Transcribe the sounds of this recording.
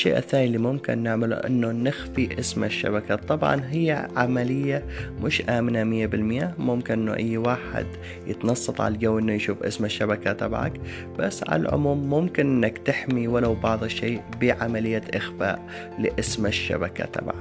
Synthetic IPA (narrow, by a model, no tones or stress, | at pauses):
ʃːḛːʔa̰θːaːnilːimʊmkɪ̰nːɪʕmalṵʔɪ̰nːonɪxfiʔɪsmaʃːa̰bakat̪ˤːɑbʕɑ̰nɦɪjːaʕa̰malɪjːamʔʊʃʔaːmɪnamɪjːabɪlmɪjaːmʊmkɪnʔɪnːoʔajːwaːħɪ̰d̪ | jɪt̪nɑsˤːɑt̪ˤʕa̰llɡawːʔɪnːojʃuːfʔɪ̰smaʃːabakat̪ˤɑbʕa̰k | b̥asːʕa̰la̰lʕʊ̰muːmːʊmkɪnʔɪnːakt̪ɪħmiwalawbɑʕðˤɨʃːeːbiʕamalɪjːaʔɪxfa̰ːʔ | lɪʔɪsmɪʃːa̰baka̰t̪ˤɑ̰bʕa